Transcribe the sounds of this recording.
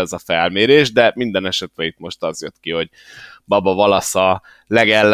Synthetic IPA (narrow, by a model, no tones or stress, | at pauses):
ɛzɒfɛlmeːɾeːʒd̪ɛmind̪ɛnɛʃɛt̪ɾɛit̪mo̞ʃt̪ɒzjøt̪kiɦo̞ɟ | bɒbɒvɒlɒsɒ | lɛɡɛlː